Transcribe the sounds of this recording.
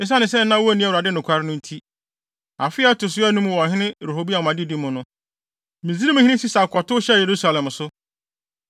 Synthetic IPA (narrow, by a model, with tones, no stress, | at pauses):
ɪ̃˦s̬a˦nɪ̃˨sɛ˦nã˦wɔ˦æ˨nĩ˦a˦˨ɾa˨dɪ˦nʊ̃˨kʰʷa˨ɾɪ˦nʊ̃˦n̩˦tʰi˦ | a˨fɪ˦a˦tʊ˨s̬ʊ˦ɛ˦nũ˦m˦wɔ̃˨ɦɪ̃˦nɪ̃˦˨ɾo˨ɦo˦bi˦a˨ã˨dɪ˦di˦mʊ̃˨nʊ̃˦ | mĩ˨zi˦ɾi˦mʊ̃˨hĩ˦nɪ̃˦si˦sa˨kʰɔ˨tʊ˦ɕɛ˦je˨ɾu˦sa˨lɛ̃˨msʊ˦